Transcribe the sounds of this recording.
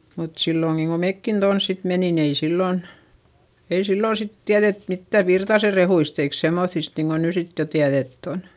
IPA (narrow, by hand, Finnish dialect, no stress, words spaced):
mut silːoŋɡ̊iŋ ko mekːin tons sit menin ei silːoˑn ei silːoˑn sit tiæðet mitːæʋ ʋirtɑse rehuist eik semːoθist niːŋko ny sit jo tiæðetː on